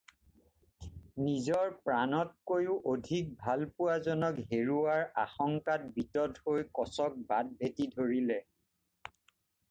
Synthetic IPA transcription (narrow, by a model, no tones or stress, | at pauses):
nizɔɹpɹanɔt̚kojʊʔodʱik̚bʱalpʊwazɔnɔkɦeɹuaɹaxɔŋkat̚bitɔthojkɔsɔk̚bad̚bʱetidʱoɹilɛ